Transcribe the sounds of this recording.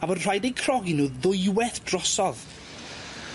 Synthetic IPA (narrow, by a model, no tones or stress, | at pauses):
avɔdr̥ajdejkʰrɔɡɪnuːðʊjwɛθd̥rɔsɔð